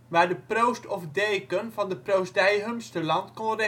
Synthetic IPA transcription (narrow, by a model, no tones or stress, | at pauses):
ʋaːɹdəprowstʰɔfdeːkənfɑndəprowsdɛjɦəmstəlɑntkɔre